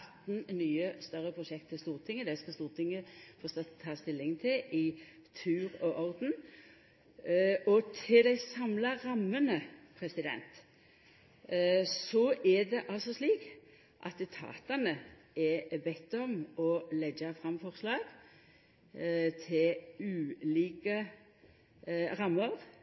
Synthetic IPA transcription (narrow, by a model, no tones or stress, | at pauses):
t̪n̩nyːəst̪œʁəpʰʁʊʃɛk̚t̪ʰːɪst̪uːʁt̪ʰɪŋːəd̪ɛskɑst̪uːʁt̪ʰɪŋːəfɔst̪ɑt̪t̪ʰːɑːst̪ɪlːɪŋt̪ʰɪʔɪ | t̪ʰʉːʁɔʔɔld̪n̩ | ɔt̪ʰɪld̪æɪsɑmlɑʁɑmːənəpʰʁɛsɪd̪ɛ̰nt̪ | sɔʔɛd̪ɛʔɑlsɔsliːk | ʔɑ̰t̪t̪ʰɑ̰ːt̪ɑnə | ɛbɛt̪ːɔmɔlɛɡɑfʁɑmfɔʁslɑːɡ̥ | t̪ʰɪlʉːliːkə | ʁɑmːəʁ